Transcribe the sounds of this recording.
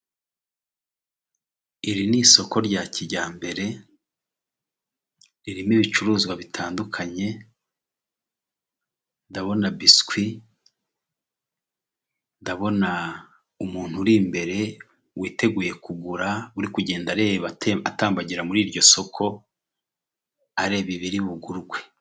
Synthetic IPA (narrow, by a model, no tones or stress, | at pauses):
iɾiniso̞ko̞ɾɟaːciɟaːmbe̞ɾe̞ | ɾiɾimiβit͡ʃuɾuːzɡwaβitʰaːndukʰaɲe̞ | ndaβo̞nabiskwi | ndaβo̞na | umuːn̥huɾiːmbe̞ɾe̞ | wiːte̞ɡuːje̞kuɡuɾauɾikuɟe̞ːndaɾeβaataːmbaɟiɾamuɾiːɾɟo̞so̞kʰo̞ | aɾe̞ːβiβiɾiβuɡuɾɡwe̞